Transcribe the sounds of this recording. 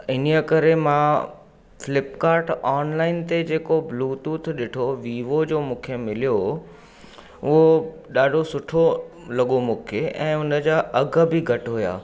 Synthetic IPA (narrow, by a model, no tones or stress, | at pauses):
ɪnjəkɐɾemã | fɪlɪpkaːɾʈaːnlaːɪnt̪ed͡ʑeːkobluːt̪uːt̪ʰɗɪʈʰoʋiːʋod͡ʑoːmũːkʰemɪlijo | ʊɦo | ɗaːɖʱosʊʈʰo | lɐɠomũːkʰeʔɛ̰̃ːɦʊnə̆d͡ʑaʔɐɡʱbɪɡʱɐʈɦʊja̰ː